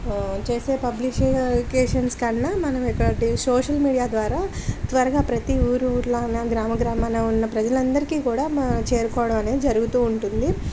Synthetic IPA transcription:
t͡ʃe̞ːse̞ːpɐblikeːʂɐnskɐɳːaːmɐnɐmɛkːɐɽɐʈisoːʂɐlmiːɽijaːd̪ʋaːɾaːt̪ʋɐɾɐɡaːpɾɐt̪iuːɾuɾlɐnɐɡɾaːmɐɡɾaːmaːnɐunːɐpɾɐd͡ʒɐlɐnd̪ɐɾikiːkuːɽaːt͡ʃe̞ːɾukɔːɐɽɐmɐne̞ːd̪id͡ʒɐɾuɡut̪uːɳʈund̪i

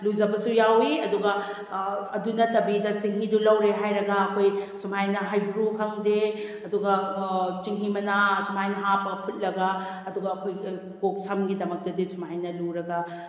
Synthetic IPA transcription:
luzɐbɐsujawiɐduɡɐ | ɐdunɐtɐbidɐt͡ʃiŋɦidulɐwɾeɦajɾɐɡɐːkʰojsumajnɐɦajbɾukʰɐŋdeɐduɡɐt͡ʃiŋɦimɐnasumajnɐɦapɐkʰut̚lɐɡɐːduɡɐɐkʰoj | kok̚sɐmɡidɐmɐk̚dɐdisumajnɐluɾɐɡɐ

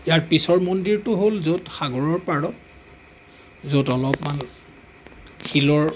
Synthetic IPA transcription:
ijaɹpisɔɹmondiɹtʊɦolzotxaɡɔɹɔɹpaɹɔt̚ | zotɔlɔpman | xʰilɔɹ

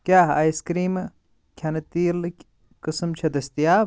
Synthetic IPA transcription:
kʲaːɦaːjskɾiːm | kʲʰɐnɐt̪iːlʲ | kɨsɨmt͡ʃʰɐd̪ɐst̪ijaː

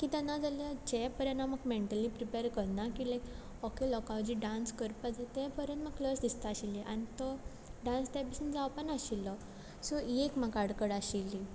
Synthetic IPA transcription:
kit̪anad͡zaljad͡ʑɛpəɾjãnaməɡmeɳʈəlːipɾipeɾkəɾnakilajk | ɔkelɔkaʋd͡ʑiɖãnskəɾpad͡zat̪ɛpəɾjə̃nt̪məɡ̚kləsd̪ist̪aaɕilːiʔa̰nit̪ɔ | ɖãnst̪ɛpisund͡zawpənaɕilːɔ | sɔekmakaɽkəɽaɕilːi

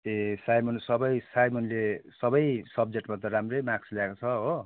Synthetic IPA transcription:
esajmonsʌbʌjsajmonlesʌbʌjsʌb̚d͡zeʈmat̪ʌramrejmaksljaekot͡sʰʌɦo

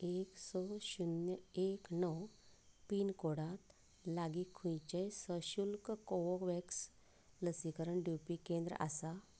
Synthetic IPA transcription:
eksɔɕunjəeknɔwpiːnkoɽat̪ | laɡikʰːũjt͡ɕejsəɕulkkɔwɔʋeks | ləsikəɾəɳɖjupikẽnd̪ɾə̰ʔa̰sa

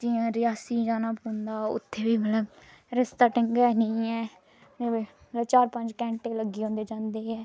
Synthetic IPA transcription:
d͡ʒiãːɾɪjaːsiːd͡ʒaːnaːpõːnd̪aːʊ̰t̪ʰːeːbiːmət̪ləb | ɾɪst̪aːʈɪŋɡɛːnĩːɛː | ne | məəbt͡ʃaːɾpə̃ɲd͡ʒkɛ̃ːɳʈeːləɡːiːɦõːnd̪eːd͡ʒãːnd̪eːɛː

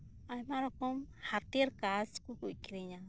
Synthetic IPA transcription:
ajmaɾokomhaɾt̪iɾkaskukukiɾiɲa

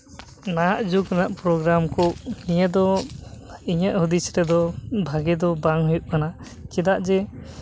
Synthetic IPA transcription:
naaʔd͡ʒukanaʔpɾɔɡɾamkɔʔnijəd̪ɔ | iɲəʔhud̪isɾɛd̪ɔbʱaɡɛd̪ɔbaŋɦujuʔ̚kana | kɛd̪aʔd͡ʒɛ

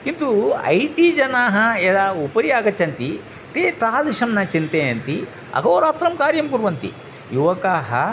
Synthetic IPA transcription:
int̪ṵɐ̰jʈid͡ʒɐnaːɦɐed̪aːupɐɾijaːɡɐt͡ʃʰɐnt̪i | t̪eːt̪aːd̪iʂɐmnɐt͡ʃint̪eːɐnt̪i | ɐ̰ɡɐːɾaːt̪ɾɐmkaːɾjɐmkuɾʋɐnt̪ḭ | juʋɐkaːɦɐ̰

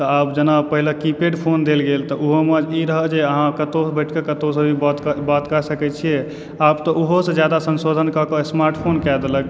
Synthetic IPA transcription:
t̪ɔabd͡ʒənapəɦilekipeɖpʰond̪elɡelt̪ɔʔuɦoməd͡ʒiɾəɦəd͡ʒeəɦãkət̪obəʈʰkekət̪osə̃bʱibt̪kbat̪kəsəkɛt͡ʃʰie | abt̪ɔʔuɦosə̃d͡ʒjad̪asənsod̪ʱənkɔkəsmaɾʈpʰonkɛd̪elək

